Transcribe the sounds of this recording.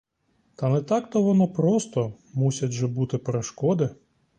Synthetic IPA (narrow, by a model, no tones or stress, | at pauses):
t̪ɐnɛt̪ɑkt̪ɔʋɔnɔpɾɔst̪ɔ | musʲɐʒɛbut̪ɪpɾeʃkɔd̪ɪ